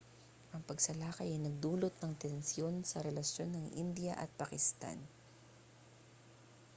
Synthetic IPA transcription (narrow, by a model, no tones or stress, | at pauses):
ʔɐŋpɐɡsɐlaːkɐjɐjnɐɡ̚d̪uːlot̪̚nɐŋt̪ɛnsjo̞nsɐɾɛlɐsjo̞nːɐŋʔɪ̰nd̪ɪjɐ̰ʔɐ̰t̪̚pakɪst̪a̰n